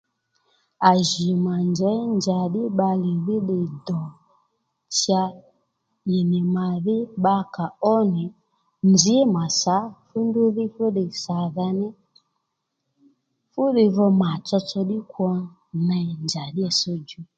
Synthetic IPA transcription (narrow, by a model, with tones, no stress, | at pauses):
a˨ʒi˨ma˨nd͡ʒɛ˨˦nd͡ʒa˨ɗi˦ɓa˧li˨ði˦ɗi˧dɔ˨ | t͡ʃa˧ | i˨ni˨ma˨ði˦ɓa˧ka˨ɔ˦nɛ˨ | nd͡ʒi˨˦ma˨sa˨˦fu˦ndu˦ði˦fu˦ɗi˧sa˨ða˧˦nɛ˦ | fu˦ɗi˧ðɔ˧ma˨t͡ʃɔ˧t͡ʃɔ˧ɗi˦kwɔ˧ | na˧˨nd͡ʒa˨ɗi˦ɛ˨sɔ˦d͡ʒu˦